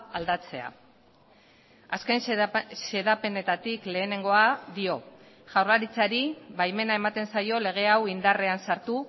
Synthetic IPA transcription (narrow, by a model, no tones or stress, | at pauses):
ald̪at͡se̞a̰ | aske̞nse̞ðape̞ne̞t̪at̪ikle̞ːne̞ŋɡo̞aðio̞ | ʝawrlaɾit͡saɾiβajme̞nae̞mat̪e̞nsajo̞le̞ɣ̞e̞awind̪are̞ansaɾt̪u